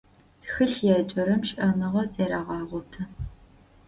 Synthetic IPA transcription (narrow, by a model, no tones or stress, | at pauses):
txɨɬjɛːt͡ʃʼɐɾɐmʃʔɐmɨʁɐt͡sʼeːɾaːʁɑːʁʷɔtʰɐ